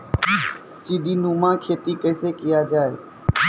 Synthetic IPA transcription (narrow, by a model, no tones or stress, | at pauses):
siːɗiːnuːmãːkʰeːt̪iːkəːseːkɪjad͡ʒaːeː